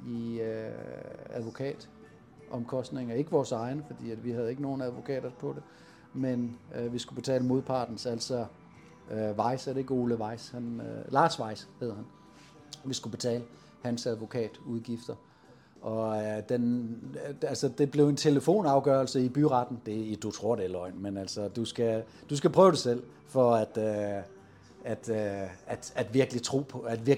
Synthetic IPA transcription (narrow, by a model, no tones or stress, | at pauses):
iø | æðˠʋo̝kʰɛ̰ːd̥ | ʔɒ̽mkʰɒ̽sd̥ne̝ŋɐe̝ɡ̥əʋɒːsɑ̈ɪnəfɒ̽d̥ḭːædʋihæð̞̩ˠe̝ɡ̥əno̝ːn̩æð̞ˠʋo̝kʰɛ̰ːd̥ɐpʰɒ̽d̥e | menʋisɡ̥ub̥e̝t͡sʰɛ̰ːləmo̝ðˠpʰɑ̈ːd̥n̩sæl̰sɒ | øʋɑ̈ɪsæɾee̝ɡ̥o̝ləʋɑ̈ɪ̰shænlɑ̈ːsʋɑ̈ɪ̰sheð̞ˠhæn | ʋisɡ̥ub̥e̝t͡sʰɛ̰ːlə | hænsæð̞ˠʋo̝kʰɛ̰ːd̥uðˠɡ̥ifd̥ɐ | ʔɒ̽d̥en | ælsɒd̥e̝b̥le̝ʊe̝nt͡sʰe̝ləfo̝̰ːnɑ̈ʊɡ̥œɐlsəib̥yʁɑ̈d̥n̩d̥e̝id̥ut͡sʰʁo̝ɐ̰ɾ̥elɒ̽ɪ̰nmenæl̰sɒd̥usɡ̥æ | d̥usɡ̥æpʰʁœːʊɾ̥esel̰ | fɒ̽æd̥ø | æd̥æd̥æd̥ʋiɐɡ̥əlit͡sʰʁo̝̰ːpʰɔæd̥ʋiɐ